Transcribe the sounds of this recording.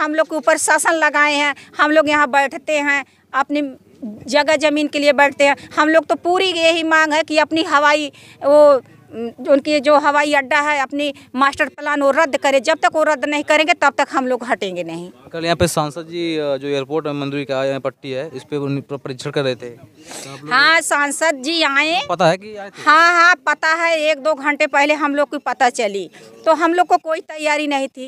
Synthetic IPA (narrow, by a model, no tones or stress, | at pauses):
ɦɐmloːɡ̚keuːpəɾsaːsənlɐɡaːeɦɛ̃ːhɐmloːɡjɐɦãbɐɽʈʰt̪eɦɛ̃ | ɐpni | d͡ʒɐɡəd͡ʒɐmiːnkeliebɐɽʈʰt̪eɦɛ̃ːhɐmloːɡ̚t̪opuːɾijeɦimãːŋɡɦɛ̃kiɐpniɦɐʋaːi | o | ʊnkid͡ʒoːɦɐʋaːiɐɖːaɦɛɐpnimaːsʈəɾplaːnoɾɐd̪ʱːkɐɾẽd͡ʒɐb̚t̪ɐkʋoɾɐd̪nɐɦĩkɐɾẽːŋɡet̪ɐb̚t̪ɐkɦɐmloːɡɦɐʈẽːŋɡenɐɦĩkɐljɐɦãːpesãːnsəd̪̚d͡ʒid͡ʒoːeːəɾpoːɾʈɦɛmɐ̃nd̪uːɾikaːeɛ̃pɐʈːiɦɛɪspepɐɾɪt͡ʃʰəɾkɐɾɛɦt̪eɛ̃ | hãːsãːnsəd̪̚d͡ʒiːaːẽpɐt̪aɦɛkihãːɦãpɐt̪aɦɛeːk̚d̪oːɡʱɐ̃ɳʈepɛɦleɦɐmloːɡ̚koipɐt̪at͡ʃɐlit̪oɦɐmloːɡ̚kokoːit̪ɐjːaːɾinɐɦĩt̪ʰiː